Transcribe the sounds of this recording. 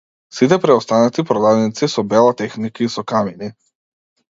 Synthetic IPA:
sit̪̬ɛpɾɛɔst̪anat̪ipɾɔd̪ad̪nit̪sisɔbɛlˠat̪ɛxnikaisɔkamini

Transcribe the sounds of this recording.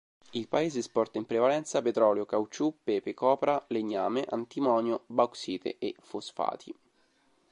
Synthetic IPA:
ilpaeːzespɔrt̪aimpɾevalɛnt̪sapet̪ɾɔːljokawt͡ʃupːepekɔːpɾaleɲːaːmeʔa̰nt̪imɔːnjobaksiːt̪ʰḛʔefosfa̰ːt̪ʰi

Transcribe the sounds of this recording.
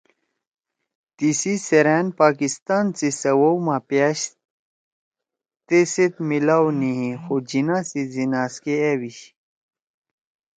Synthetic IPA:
t̪isiseɾæːnpaːkist̪aːnt͡sisɐwowmãːpjaɕ | t̪eset̪milaːwniɦĩxod͡ʑinasizinaːskeewiɕ

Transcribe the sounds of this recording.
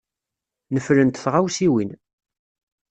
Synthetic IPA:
nəflənt̪θʁawsiwin

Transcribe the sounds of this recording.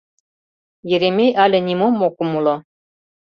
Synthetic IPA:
jĕɾemʲejʔɑlʲɘ̆nʲimomːokumulˠɤ

